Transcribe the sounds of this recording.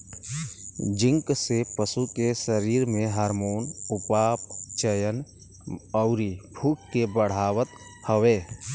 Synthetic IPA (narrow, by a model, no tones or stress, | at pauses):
d͡ʒɪ̃ŋksepəsukesəɾiːɾmẽɦaɾmoːnʊpaːpt͡ʃəjən | ɔʊɾibʱʰukkːebəɽ̤aːwət̪həweː